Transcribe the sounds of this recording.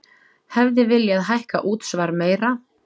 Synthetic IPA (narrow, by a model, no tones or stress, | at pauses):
hɛvðɪvɪljaaðɦajhka̰ʔuːt̪svaɾmeːjɾa